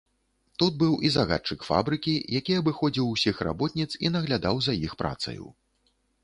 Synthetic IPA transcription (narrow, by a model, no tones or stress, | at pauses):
t̪ud̪̚bɨwʔizaɣa̰t͡ʂɨkfa̰bɾɨkʲijakʲiɐbɨxɔd͡zʲiwsʲixra̰bɔt̪̚nʲit̪sinɐɣlʲad̪awzɐjixpɾa̰t̪sɐ̰jṵ